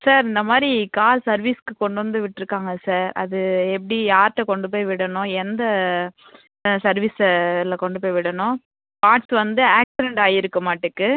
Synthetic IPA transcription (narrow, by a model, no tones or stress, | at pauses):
saːɾɪnd̪ɐmaːd̪ɾikaːlsɐɾʋiːskɯkɔɳɖɯʋɐnd̪ɯʋɪʈːɪɾɯkːaːŋɡɐsaːɾɐ̰ðɯɛp̬ːɐɽijaːɾʈːɐkɔɳɖɯp̬oːjʋɪɽɐɳʊ̃ɛnd̪ɐ | sɐɾʋislɐkɔɳɖɯpoːjʋɪɽɐnʊ̃ | paːʈsʋɐnd̪ɯaːksɪɾɛɳɖaːjɪɾɯkːɐmaːʈːɯkːɯ